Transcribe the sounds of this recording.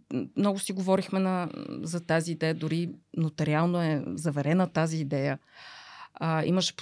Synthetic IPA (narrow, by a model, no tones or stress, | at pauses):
mnɔɡʊsiɡovɔɾixmɛnɐzɐt̪aziːd̪ɛjəd̪ʊɾinot̪ɐɾialˠnoɛzɐvɛɾɛnət̪aziːd̪ɛjə | əḭməʃɛ̥p